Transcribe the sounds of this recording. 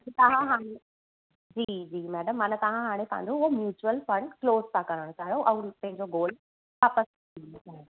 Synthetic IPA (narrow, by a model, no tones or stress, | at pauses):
t̪ɐɦãɦaːɽ̃e | d͡ʑiːd͡ʑiːmɛːɖəmːɐnət̪ɐɦãɦaːɽ̃ep̪ʰã̰ːnd̪ʱõomjuːt͡ɕuəlfɐ̃ɳɖkloːzt̪ʰãkɐɾəɽ̃õt̪aːɽoʔɐ̃ːpɐ̃ɦɪ̃ɲd͡ʑoɡoːl | ʋaːpəs | inotaːɦe